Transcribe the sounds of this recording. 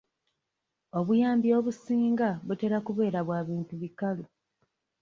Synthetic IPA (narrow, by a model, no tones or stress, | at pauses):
o̞βujaːmbio̞ːβusiːŋɡaβute̞ɾakuβe̞ːɾaβwaːβiːntuβikalu